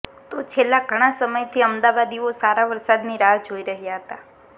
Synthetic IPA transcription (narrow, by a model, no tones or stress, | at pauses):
t̪ot͡ʃʰelːaɡʱəɽ̃asəməjt̪ʰiəmd̪aʋad̪iosaɾaʋəɾsad̪niɾad͡ʒoiɾəɦjaɦət̪a